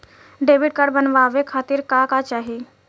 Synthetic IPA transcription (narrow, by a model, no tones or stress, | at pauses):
ɖeːʋɪʈ̚kəɽbənʋaːʋekʰaːt̪ɪɾkakat͡ʃaːɦi